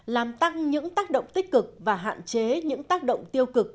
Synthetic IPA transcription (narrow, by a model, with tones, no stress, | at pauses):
laː˨˩mt̪a˧ŋɲɨ̰˧˥ŋt̪aː˦˥k̚ɗə̰˧˨wŋ͡mt̪ï˦˥k̟̚kɨ˨˩k̚vaː˨˩ɦa̰ː˧˨nt͡ɕe˨˦ɲɨ̰˧˥ŋt̪aː˦˥k̚ɗə̰˧˨wŋ͡mt̪i˧əwkɨ˨˩k̚